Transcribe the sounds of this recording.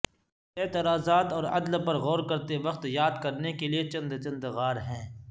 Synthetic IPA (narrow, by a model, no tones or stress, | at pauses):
ɛːt̪ɪɾaːzaːt̪ɔːɾɐ̰d̪lpɐɾɣɔːɾkɐɾt̪eʋɐqt̪jaːd̪kɐɾnekeliet͡ʃɐ̃nd̪t͡ʃɐ̃nd̪ɣaːɾɦɛ̃ː